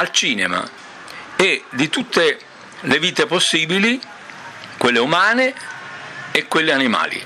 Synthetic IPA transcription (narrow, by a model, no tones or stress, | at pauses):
alt͡ʃiːnema̰ | ed̪it̪ut̪ːe | leviːt̪eposːiːbili | kwelːeumaːne | ekːwelːeanima̰ːlḭ